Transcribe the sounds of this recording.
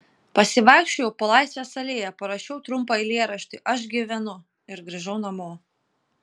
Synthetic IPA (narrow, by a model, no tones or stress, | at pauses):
pɐsʲɪʋɑˑɪkʃʲt͡ʃʲʊjɛʊpɐlˠɑˑɪsʲʋʲɛsɐlʲeːjɛpɐɾɐʃʲɛʊt̪ɾʊmpɐɪlʲeːɾɐʃʲt̪ʲɪʔɐʃɡʲiʋʲɛnʊ | ɪɾɡɾʲɐʒɐʊnɐmoː